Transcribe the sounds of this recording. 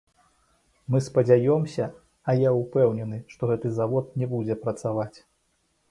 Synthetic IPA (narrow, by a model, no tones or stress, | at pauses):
mɨspɐd͡zʲajɔmsʲɐː | jaupɛwnʲɛnɨʂt̪ɔɣɛt̪ɨzavɔt̪̚nʲɛbud͡zʲɛpɾɐt̪savat͡sʲ